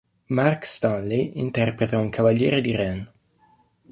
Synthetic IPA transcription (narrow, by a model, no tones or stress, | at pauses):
markst̪anlejint̪ɛrpɾet̪auŋkʰavaʎːɛːɾed̪iɾɛn